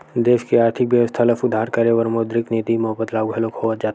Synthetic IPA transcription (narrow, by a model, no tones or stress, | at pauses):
d̪eːʃkeaːɾt̪ʰɪkbjəʋəst̪ʰaləfʊd̪ʱːaːɾkəɾeʋəɾmod̪ɾɪknid̪imʊɦəbət̪laːɡuɦɛlokhoət̪̚d͡ʒaːt̪